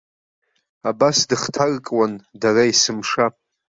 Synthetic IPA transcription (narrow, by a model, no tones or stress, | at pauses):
abasdɨχtʰarkʼwandaraisɨmʂa